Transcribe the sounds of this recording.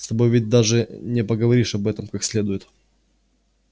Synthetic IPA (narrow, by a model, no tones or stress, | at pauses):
st̪ɐbo̞jvʲɪt̚ʲd̪aʐɨnʲɪpəɡəvɐɾʲiʂɐbɛt̪əmkaksʲlʲe̞d̪ʊjɪt̪